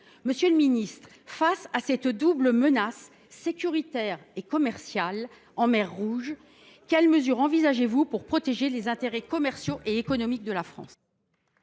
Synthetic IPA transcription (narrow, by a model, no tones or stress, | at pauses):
məsjøləminist̪χ | fasasɛt̪d̪ubləmənasː | ekʲyʁit̪ɛʁekɔmɛʁsjal | ɑ̃mɛʁːuʒ | kʲɛlməzyʁɑ̃vizaʒevupuʁpχɔt̪eʒelezɛ̃t̪eʁɛkɔmɛʁsjoʔeekɔnɔmik̚d̪əlafχɑ̰̃s